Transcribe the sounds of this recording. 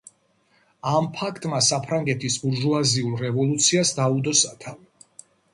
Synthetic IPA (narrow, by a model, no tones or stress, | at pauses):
ampʰakʰt̪ʼmasapʰɾaŋɡɛt̪ʰisbuɾʒuaziulˠɾɛvɔlˠut̪sʰiasd̪aud̪ɔsat̪ʰa